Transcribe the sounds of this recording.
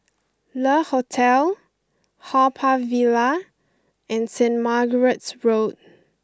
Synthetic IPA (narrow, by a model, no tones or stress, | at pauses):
ləhotʰɛl | hapʰavila | ʔɛ̃nsɛ̃ntmaɡəɹətsɹot̚